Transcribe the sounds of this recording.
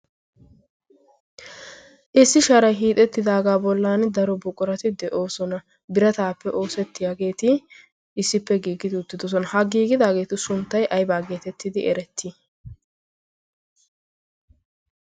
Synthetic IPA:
ʔɪsːɪʃɐɾɐjɦiːt̪ʼɛt̪ːɪd̪aːɡaːbɔlːaːnd̪ɐɾɔbʊkʼʊɾɐt̪ɪd̪ɛʔo̞ːsɔnɐ | bɪɾɐt̪aːpːɛʔo̞ːsɛt̪ːɪjaɡe̞ːt̪ɪ | ɪsːɪpːɛɡiːɡɪt̪ɪʊt̪ːɪd̪ɔs̬ɔnɐhɐɡiːɡɪd̪aːɡe̞ːt̪ɪsʊnt̪ːɐjʔɐjbaːɡeːt̪ɛt̪ːɪd̪ɪʔɛɾɛt̪ʰːɪ

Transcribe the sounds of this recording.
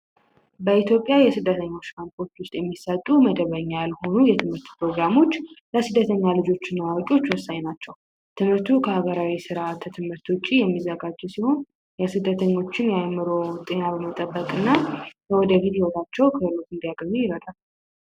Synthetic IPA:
bəit̪jo̞pʼjajɛsɨd̪ːət̪ʰəɲːo̞t͡ʃːkanpʰoɾt̪wʊst̪ʼjɛmːisət̪ʼːuməd̪əβəɲːalho̞nujɛt̪ʰɨmhɨɾt̪pɾo̞ɡɾamo̞t͡ʃːləsɨd̪ːət̪ʰəɲːalɨd͡ʒo̞t͡ʃːɪnːawakʼio̞t͡ʃːwɔsːaɲnat͡ʃːɛw | t̪ʰɨmhɨɾt̪ʰukʰəhaɡəɾawisɨɾaat̪ʰt̪ʰɨmhɨɾt̪wʊt͡ʃʼːijɛmːizəɡad͡ʒɛsiho̞n | jəsɨd̪ːət̪ʰəɲːo̞t͡ʃːɪnjajmːɨɾot̪ʼe̞nabəmət̪ʼəbːəkʼɨnːakʰəwɔd̪əfit̪jihot̪ʼat͡ʃːɛwkʰəlːut̪ɨnd̪ijaɡəɲːujɪɾəd̪ʼal

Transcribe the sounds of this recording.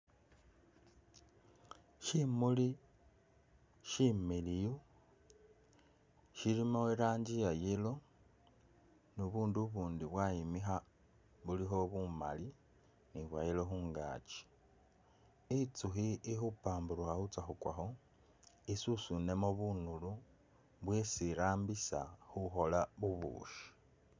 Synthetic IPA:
ʃimuli | ʃimiliju | ʃilimaweɾaːɲɟijajelo̞ | nuβuːnduβuːndiβwajimixa | βulixo̞βuma̰li | niβwajelo̞xuːŋɡa̰t͡ʃi̥ | it͡suxiixupaːmbuɾuxaxut͡saxukwa̰xo̞ | isusune̞moβunulu | βwesiɾaːmbisa̰xuxo̞laβuβṵːʃi̥

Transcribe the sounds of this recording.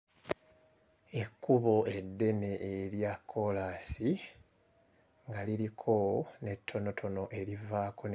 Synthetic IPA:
e̞kːuβo̞e̞dːe̞ne̞ʔeɾjakʰːo̞laːsi | ŋɡaliɾikʰone̞tʰːo̞no̞tʰo̞no̞ʔe̞ɾivaːkʰo̞n

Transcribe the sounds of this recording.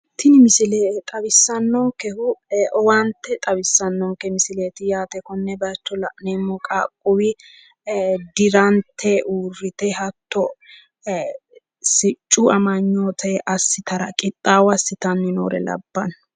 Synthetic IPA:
t̪ʰɪnɪmɪsɪleːt̪ʼɐbɪsːɐnːɔŋkɛhʊɔwant̪ːɛt̪ʼɐbɪsːɐnːɔŋkɛmɪsɪleːt̪ɪjaːt̪ɛkɔnːɛbɐt͡ʃːɔlɐʔneːmːɔkʼaːkʼːʊwɪ | d̪ɪɾɐnt̪ʰːɛʔuːrːɪt̪ɛhɐt̪ːɔ | sɪt͡ʃʼːuɐmɐɲːoːt̪ʰɛʔɐsːɪt̪ʰɐɾɐ̰kʼɪt̪ʼːaːwɐsːɪt̪ɐnːɪno̰ːɾɛ̰lɐ̰bːɐn

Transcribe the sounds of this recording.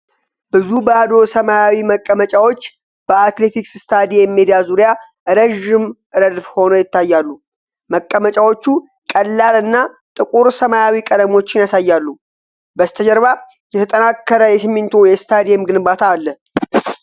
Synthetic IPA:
bɨzubəad̪o̞səmajawiməkʼːəmət͡ʃʼawo̞t͡ʃː | b̥əat̪le̞t̪ʰiksst̪ʰad̪ijɛmːed̪ijazuɾja | ʔɨɾəʒːɪmʔɨɾəd̪fho̞nojɪt̪ːajːalːu | məkʼːəmət͡ʃʼawo̞t͡ʃːu | kʼəlːalɨnːa | t̪ʼɨkʼuɾsəmajawikʼəd̪əmo̞t͡ʃːɪnjasajːalːu | bəst̪ʰəd͡ʒəɾβa | jɛt̪ʰət̪ʼənakːəɾəjɛsɨmːɪnt̪ʰojɛst̪ʰad̪ijɛmɡɨnbat̪ʰaːlːəh

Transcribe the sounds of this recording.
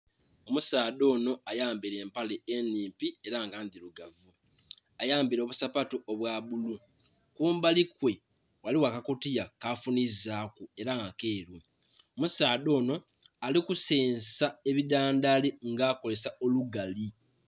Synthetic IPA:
o̞musaːdo̞ːno̞ajaːmbiɾe̞ːmpale̞ːniːmpie̞ɾaŋɡaːndiɾuɡavu | ajaːmbiɾo̞ːβusapatoʔoβwaːβulu | kuːmbalikwe̞ | waliwakakutijakafunizakue̞ɾaŋakeːɾu | omusaːdo̞ːno̞ | alikuseːnsae̞βidaːndaleŋɡaːko̞le̞sao̞luɡali

